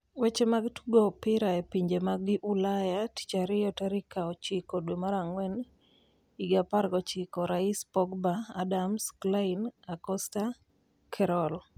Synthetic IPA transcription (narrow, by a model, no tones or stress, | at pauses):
wɛt͡ʃemaɡtuɡopɪɾaɛpiɲd͡ʒemaɡɪʔulajati̥t͡ʃaɾɪjɔtaɾikaɔt͡ʃikodwomaɾaŋwɛn | iɡapaɾɡɔt͡ʃɪkɔɾaispɔɡbaːdamsklaɪnakɔsta | kʰɛɾɔl